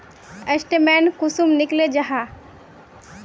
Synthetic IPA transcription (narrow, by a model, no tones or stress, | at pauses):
əsʈemɛːnkʊsumnɪkled͡ʒɐɦa